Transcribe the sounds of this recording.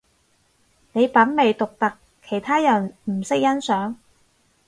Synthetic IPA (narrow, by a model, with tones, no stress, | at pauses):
ne˨˧jpɐ˨˥nme˨jt̪ʊ˨k̚t̪ɐ˨kʰːe˨˩jt̪ʰaː˥jɐ˨˩nm̩˨˩sɪ˥k̚jɐ˥nsœː˨˥ŋ